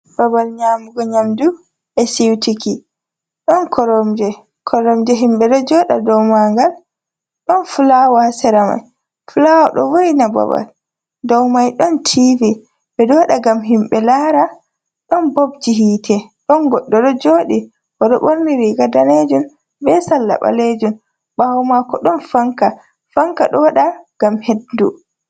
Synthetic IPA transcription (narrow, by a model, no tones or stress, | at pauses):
b̥abalɲaːmuɡɔɲamdu | ɛsiwtiki | ɗɔnkʰɔɾɔmd͡ʒɛ | kʰɔɾɔmd͡ʒɛɦimɓɛɗɔd͡ʒɔɗa̰dɔwmaŋɡal | ɗɔnfulawɔhasɛɾama̰j | fulawɔ̰ɗɔ̰woinaba̰ba̰l | dɔwmajɗɔntʰivi | bɛɗɔwaɗaɡamɦimɓɛlaɾa | ɗɔnbobd͡ʒiɦiːtʰɛɗɔnɡɔɗːɔɗɔd͡ʒoːɗi | ɔɗɔɓoɾniɾiɡadaned͡ʒun | bɛsalːa̰ɓa̰led͡ʒun | ɓaɔmakɔɗɔnfaŋka | faŋkaɗɔwaɗaɡ̥amheddṵ